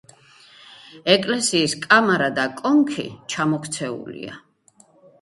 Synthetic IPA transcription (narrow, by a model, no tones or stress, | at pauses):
ɛkʼlɛsiːskʼamaɾad̪akʼɔŋkʰḭt͡ʃʰamɔkʰt̪sʰɛṵlḭa̰